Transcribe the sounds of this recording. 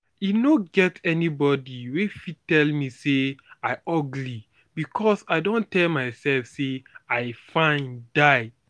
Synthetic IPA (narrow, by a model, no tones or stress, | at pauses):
inoɡɛtʰɛnibɔdiwefitɛlmiseaɪɔɡli | bikʰɔsaɪdõntɛlmaɪsɛlfseaɪfãɪ̃ndaɪ